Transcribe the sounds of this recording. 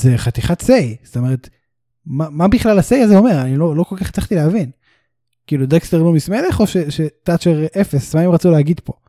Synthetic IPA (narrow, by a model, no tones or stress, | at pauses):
zeχat̪iχatsejsot̪ome̞ʁet̪ | mamabiχlalasejazeo̞me̞ʁanilolo̞kolkaχt͡saχt̪ileavin | kiːlud̪ekst̪eʁlomismeleχo̞ʃeʃet̪at͡ʃeʁefesmaemʁat͡suleaɡid̪po̞